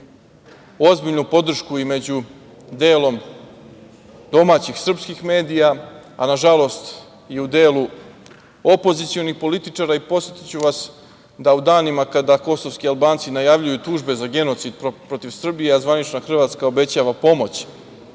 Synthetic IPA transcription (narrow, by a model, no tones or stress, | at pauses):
o̞zbiʎnupo̞d̪r̩ʃkuime̞d͡ʑu | d̪e̞ːlo̞m | d̪o̞maːt͡ɕixsr̩pskixme̞ːd̪ijaa̰naʒalˠo̞st̪ | jeud̪e̞ːlu | o̞po̞zit̪sio̞nixpo̞lit̪it͡ʂaːɾaipo̞t̪jet̪i̥t͡ɕuʋas | d̪aud̪aːnimakad̪ako̞soʋskialˠbaːnt̪sinajaʋʎujut̪uːʒbe̞zaɡe̞no̞t̪sid̪̚ppɾo̞t̪iʋsr̩bijeazvʋanit͡ʃnaxr̩ʋaːt̪skao̞be̞t͡ɕaːʋapo̞mo̞t͡ɕ